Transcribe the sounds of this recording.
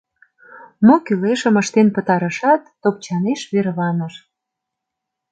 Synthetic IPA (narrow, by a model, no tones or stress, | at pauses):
mokyleʃə̆məʃt̪enpə̆t̪ɑɾə̆ʃɑt̪ːop̚t͡ɕɑneʃβeɾβɑnə̆ʃ